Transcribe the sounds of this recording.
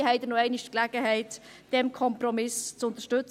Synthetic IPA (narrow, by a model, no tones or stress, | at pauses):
ɦɛɪd̪ənoɛɪnɪʃtklæɡ̥əɦɛɪt̪ | d̥ɛmkʰɔmprɔmɪst͡sʊnt̪əʃtɵt͡s